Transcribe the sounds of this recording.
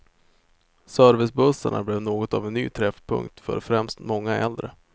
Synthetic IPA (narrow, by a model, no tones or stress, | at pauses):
sœɾvɪsbɵsəɳa̰blevnoːɡɔt̪avɛnːyːt̪ʰɾɛfpʰɵ̰ŋk̚t̪fœ̰ɾfɾɛmst̪mɔŋːaʔɛld̪ɾə